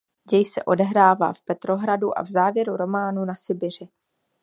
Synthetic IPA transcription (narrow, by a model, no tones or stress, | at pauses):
jɛjsɛ̰ʔo̞dɛɦɾaːva̰ːfpɛt̪ɾo̞ɦɾaduʔa̰vzaːvjɛɾuɾo̞maːnunasɪbɪr̝ɪ